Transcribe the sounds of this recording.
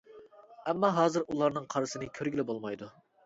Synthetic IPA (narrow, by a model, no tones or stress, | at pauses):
ɛmːɑɦɑːzɨɾulˠɑɾnɨŋqʰɑɾɨsɨnɨkʲʰøɾɡʲilɪbolˠmɑjd̪u